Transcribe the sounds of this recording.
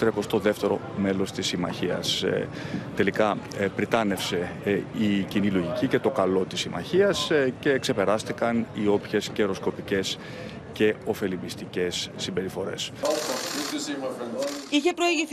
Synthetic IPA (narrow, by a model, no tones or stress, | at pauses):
t̪ɾekost̪oðe̞ft̪e̞ɾo̞ | me̞lo̞st̪isimɐ̰çiɐ̰s | t̪e̞likɐpɾit̪ɐne̞fse̞icinilo̞ʝicice̞t̪o̞kɐlo̞t̪isimɐ̰çiɐsce̞ːkse̞pe̞ɾɐst̪ikɐnio̞pçe̞sceɾo̞sko̞pice̞s | ce̞o̞fe̞limist̪ice̞sːimbe̞ɾifo̞ɾe̞̰s | içepɾoiʝiθ